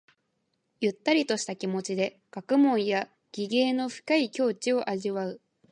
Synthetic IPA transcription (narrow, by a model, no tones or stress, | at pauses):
jɯ̟t̪ːaɾʲit̪o̞ɕi̥t̪akʲimo̞t͡ɕid̪e̞ | kakɯ̟mõ̞ɰ̃ja | ɡ̥ʲiɡe̞ːno̞ɸɯ̟̥kaikʲo̞ːt͡ɕio̞ʔaʑiβaɯ̟